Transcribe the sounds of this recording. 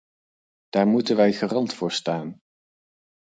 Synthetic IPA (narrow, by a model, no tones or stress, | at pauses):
d̥aːɹmutənʋɛjχərɑntfʊːɹstaːn